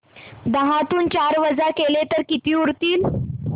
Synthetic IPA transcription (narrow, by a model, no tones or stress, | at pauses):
d̪əɦãt̪uːnt͡ɕaɾʋəd͡zakelet̪əɾkit̪iːuɾt̪iːl